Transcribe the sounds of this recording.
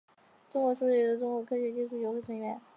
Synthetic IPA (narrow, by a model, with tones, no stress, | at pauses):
ʈ͡ʂʊ˥ŋkwɔ˧˥ʂu˥˩we˥˩d̪ə˧˩ʈ͡ʂʊ˥ŋkwɔ˧˥kʰɤ˥ɕɥɛ˧˥t͡ɕi˥ʈ͡ʂʰu˥˩jo˧˥ʊxwe˥˩t͡sʰwə˧˥nɥɛ˧˥˦n